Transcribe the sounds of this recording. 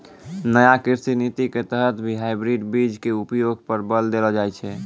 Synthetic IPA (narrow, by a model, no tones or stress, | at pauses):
nəjakiɾsinit̪iket̪əɦət̪bʱiɦajbɾiɖbid͡ʒkeupjoɡpəɾbəld̪elɔd͡ʒajt͡ʃʰɛ